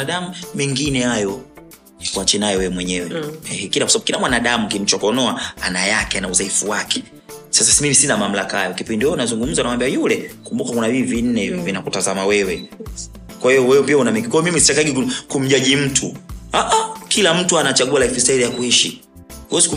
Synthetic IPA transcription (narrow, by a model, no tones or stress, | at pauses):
aɗamumɛŋɡinɛhajɔ | kuat͡ʃɛnajɔwɛwɛmwɛɲɛwɛɛkilakwasaaɓukilamwanaɗamukim̩t͡ʃɔkɔnɔaanajakɛanauzaifuwakɛ̥ | sasasimimisinamam̩lakahajɔkipindihunazuŋɡum̩zanawambiajulɛkumbukakunaviivin̩nɛvinakutazamawɛwɛ | kwahijɔwɛwɛpiaunamikikwamimisitakaiɡikukum̩ʄaʄim̩tʰuaʔakilam̩tuanat͡ʃaɠualaifisaiðijakuhɛʃi | uwɛziku